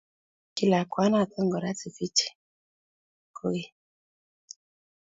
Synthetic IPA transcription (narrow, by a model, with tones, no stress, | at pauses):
ki˦˨la˨kwa˦na˦˨tɔ˦ŋɡɔ˨ɾa˦t͡si˨fi˦t͡ʃi̥˨ | ko˦i˦